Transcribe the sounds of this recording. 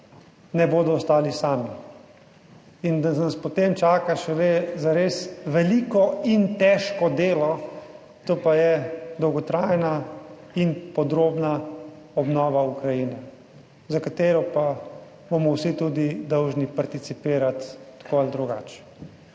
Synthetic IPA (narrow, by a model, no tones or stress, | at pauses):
nɛboːd̪ɔːst̪aːlisaːmi | ind̪anaspɔt̪emt͡ʃaːkaʃɛlezaɾesʋɛliːkɔint̪ɛːʃkɔd̪eːlɔ | t̪oːpajɛd̪ɔwɡɔt̪ɾaːjna | inpɔd̪ɾoːbna | ɔbnɔːʋaukɾajinɛ | zakat̪eːɾɔpa | bomɔwsit̪ud̪id̪ɔwʒnipaɾt̪it̪sipiːɾat̪ːkoald̪ɾuɡa̰ːt͡ʃ